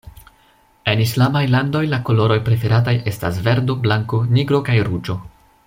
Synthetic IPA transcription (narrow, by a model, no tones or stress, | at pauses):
e̞nislamajlando̞jlako̞lo̞ɾo̞jpɾe̞fe̞ɾataje̞sta̰sve̞ɾdo̞blaŋko̞niɡɾo̞kajɾud͡ʒo̞